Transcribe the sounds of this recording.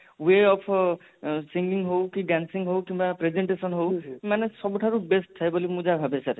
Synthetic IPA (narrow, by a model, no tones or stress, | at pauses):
weɔpʰ | siŋɡiŋɦowkiɖansiŋɦowkimbapɾezeɳʈesɔnɦowmanesɔbuʈʰaɾubesʈʰːajbolimũd͡ʒabʱabesaɾ